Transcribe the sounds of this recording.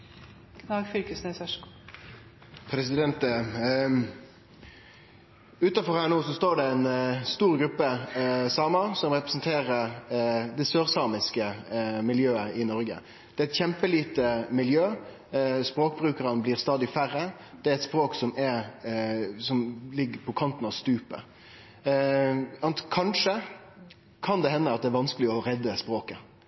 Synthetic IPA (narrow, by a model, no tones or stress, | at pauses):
kʰnɑːɡfʏlkəsnesæʂk | pʰɾɛsɪd̪ɛnt̪ | ʉːt̪ɑfɔʁhæːʁnoːsɔst̪oːɖɛɛnst̪uːɾɡɾʉpːəsɑːmɑsɔmʁɛpɾɛsnt̪ʰeːɾəɾd̪ɛsøːʁsɑːmɪskəmɪljøːəʔɪnɔɾɡə̰ | d̪̥ɛɛt̪çɛmpəliːt̪əmɪljøː | spɾoːkbɾʉːkəɾənəbliːʁst̪ɑːd̪ɪfæɾːə | d̪̥ɛæɾɛt̪spɾoːksɔmɛ | sɔmlɪɡːəpʰɔkʰɑnt̪ən̩ɑʋst̪ʉːpə̰ | ɑnt̪kʰɑnʂə | kʰɑnd̪ɛhɛnːəɑt̪̚d̪ɛæɾʋɑnskəlɪɔɾɛd̪ːəspɾoːkə